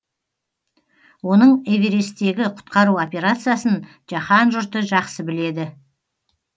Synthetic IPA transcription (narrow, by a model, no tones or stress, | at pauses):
wo̞nəɴeveɾe̞st̪e̞ɡʲɪqʰʊ̥t̪qɑɾuo̞pʲe̞ɾat̪sɨjasən | ʒ̥ɑχɑnʒʊɾt̪əʒɑqsəbɪle̞d̪ɪ